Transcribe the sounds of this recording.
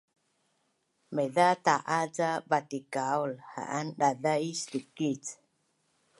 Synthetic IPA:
meðataʔad͡zavat̪ikaolha̰ʔanɗaðaistukit͡s

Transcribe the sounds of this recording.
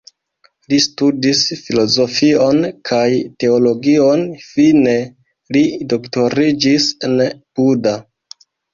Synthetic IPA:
listudisfilo̞zo̞fio̞nkʰajte̞olo̞ɡio̞nfine̞ | lido̞kto̞ɾid͡ʒisenpuda

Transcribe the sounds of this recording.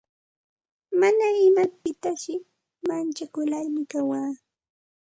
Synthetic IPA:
manaɪmapɪt̪aʃɪ | mant͡ʃakʊlaɾmɪkawaː

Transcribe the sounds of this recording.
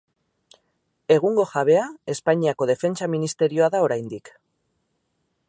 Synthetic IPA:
e̞ɣ̞uŋɡo̞ʝaβ̞e̞ae̞spaɲiako̞ð̞e̞fe̞nt͡saminist̪e̞ɾio̞aðao̞ɾajnd̪ik

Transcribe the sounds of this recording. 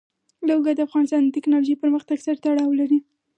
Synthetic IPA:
lawɡad̪əafɣɑnɪst̪ɑnd̪ət̪ɪknɑloʒejpəɾməxt̪aɡsaɾt̪aɽɑwlaɾi

